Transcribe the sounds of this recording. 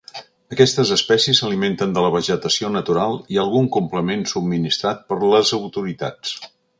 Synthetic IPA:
əkɛst̪əzəspɛsiəsəliment̪ənd̪ələβəʒət̪əsionət̪uɾalˠiəlˠɣuŋkumpləmensub̚minist̪ɾat̪̚pəɾləzəwt̪uɾit̪a̰t͡s

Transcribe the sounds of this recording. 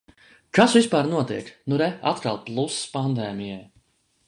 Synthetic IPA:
kasvispaːɾnuɔt̪iɛknuɾɛat̪kalˠplˠuspand̪ɛːmijɛj

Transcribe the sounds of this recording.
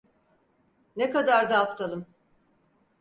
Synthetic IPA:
nekad̪aɾd̪aːpt̪ʰalˠɯm

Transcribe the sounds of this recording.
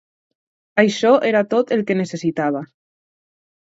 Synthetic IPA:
ajʃɔʔeɾat̪ot̪elˠkenesesit̪aβ̞a

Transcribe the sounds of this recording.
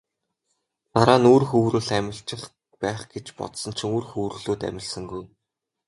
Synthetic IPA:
t̪aɾaːnuːrxɵwɾɘ̆ɮæmʲɪ̆ɬt͡ɕɪ̆χ | pæːχɡ̥et͡ɕpɔ̰t̪sɞ̆nt͡ɕʰĭŋoːrxuːwɾ̆ɮuːt̪æ̰mʲɪ̆ɮsə̆ŋɡuj

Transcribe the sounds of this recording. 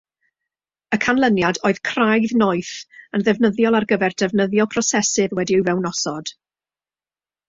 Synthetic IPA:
əkʰanlˠənjadoːɨð̥kʰrajðnoɨθənðɛvnəðjɔlˠarɡəvɛrdɛvnəðjɔpʰrɔsɛsɨðwɛdiɨwvɛwnɔsɔd̥

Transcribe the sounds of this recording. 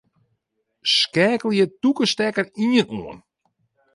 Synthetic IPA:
skɛːkəl̩ˠjətukəstɛkəriənuən

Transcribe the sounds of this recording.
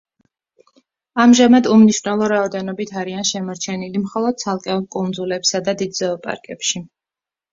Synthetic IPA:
amʒamad̪umniʃwvnɛlˠɔɾaɔd̪ɛnɔbit̪ʰaɾianʃɛmɔɾt͡ʃʰɛnilimχɔlˠɔd̪̥̚t̪sʰalˠkʼɛɔlˠkʼund̪zulɛpsad̪ad̪id̪zɛɔpʼa̰ɾkʼɛpʃi

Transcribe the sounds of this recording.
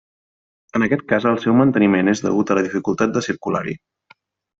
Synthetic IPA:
ənəkɛt̪̚kazəlˠsɛwmənt̪ənimenezðə̰ɣut̪ələðifikulˠt̪at̪̚d̪əsiɾkula̰ɾḭ

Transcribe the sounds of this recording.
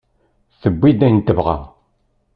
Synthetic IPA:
θəbʷːid̪ænt̪ːəvʁa̰

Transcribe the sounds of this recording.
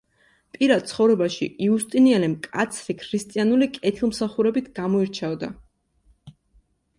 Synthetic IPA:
pʼiɾad̪̚t̪sʰχɔvɾɛbaʃḭʔiust̪ʼinialɛmkʼat̪sʰɾikʰɾist̪ʼianulikʼɛt̪ʰilˠmsaχuɾɛbit̪ʰɡamɔiɾt͡ʃʰavd̪a̰

